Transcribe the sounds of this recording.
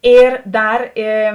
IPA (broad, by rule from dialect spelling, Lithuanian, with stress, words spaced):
ˈɪr ˈdɐr eː